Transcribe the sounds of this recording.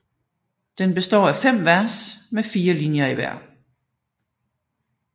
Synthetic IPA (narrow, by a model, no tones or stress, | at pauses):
d̥enb̥e̝sd̥ɒ̰ːæfem̰ʋæɐ̰smefiːɐlinjɐiʋæ̰ɐ̰